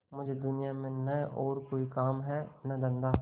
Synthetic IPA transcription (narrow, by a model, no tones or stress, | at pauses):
mʊd͡ʒʱed̪ʊnijamẽnɐʔɔːɾkoːikaːmɦɛnɐd̪ɐ̃nd̪a